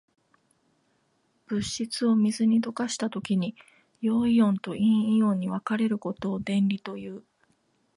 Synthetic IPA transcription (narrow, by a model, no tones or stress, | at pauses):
b̥ɯ̟ɕːit͡sɨo̞mʲizɨɲ̟id̪o̞kaɕi̥t̪at̪o̞kʲiɲ̟i | jo̞ːiõ̞nt̪o̞ʔĩiõ̞ɲ̟ːiβakaɾe̞ɾɯ̟ko̞t̪o̞ːd̪ẽ̞nɾʲit̪o̞jɯ̟ː